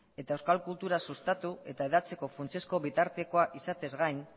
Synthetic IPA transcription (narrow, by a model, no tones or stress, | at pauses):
e̞t̪aewskalkult̪uɾasust̪at̪ue̞t̪aeðat͡se̞ko̞funt͡se̞sko̞βit̪aɾt̪e̞koaʔisat̪e̞zɣajn